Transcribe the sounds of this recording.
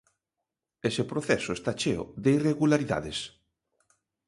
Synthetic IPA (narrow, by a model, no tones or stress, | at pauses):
esepɾoθɛsʊest̪at͡ʃeoʊ̰ðeireɣulaɾiða̰ðes